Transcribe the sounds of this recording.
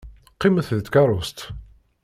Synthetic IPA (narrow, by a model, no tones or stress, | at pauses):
qːiməθðət̪kɑɾˤost̪